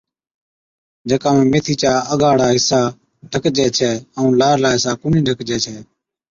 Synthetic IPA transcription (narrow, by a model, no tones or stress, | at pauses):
d͡ʒeːkaːmẽːmeːt̪ʰiːt͡ʃaːəɡaːɽaːɦɪsaː | ɖʱəkd͡ʒɛːt͡ʃʰɛːəũːlaːɾlaːɦɪsaːkʊniːɖʱəkd͡ʒɛːt͡ʃʰɛː